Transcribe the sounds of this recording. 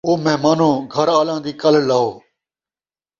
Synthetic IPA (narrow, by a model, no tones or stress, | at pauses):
oːməɦmaːnõːɡʱəɾaːlãːd̪iːkəl̤laːoː